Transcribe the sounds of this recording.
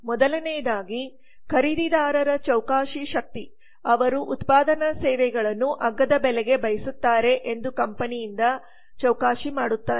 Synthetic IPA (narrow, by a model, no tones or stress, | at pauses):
mɔd̪ɐlɐnɛjɐd̪aːɡi | kʰɐɾid̪id̪aːɾɐɾɐt͡ʃɐwkaːʃiʃɐk̚t̪i | ɐʋɐɾuʔut̪paːd̪ɐnɐsɛːʋɛɡɐɭɐnːuʔɐɡːɐd̪ɐbɛlɛɡe̞bɐjɐsut̪ːaːɾe̞ʔend̪ukɐmpɐnijind̪ɐ | t͡ʃɐwkaːʃimaːɽut̪ːaːɾe